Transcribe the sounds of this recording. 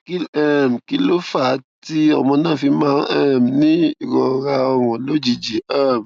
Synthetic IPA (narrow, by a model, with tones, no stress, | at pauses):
ki˦lɛ˦˨m˨ki˧lo˦fa˦˨˦ti˦ɔ˨mɔ̃˧nãː˦˨fi˧mãː˦ʔɛ˦˨mnĩ˦i˦˨ɾɔ˨ɾa˧ɔ˧wɔ̃˨lo˦d͡ʒi˨d͡ʒi˨˦ɛ˦˨m˨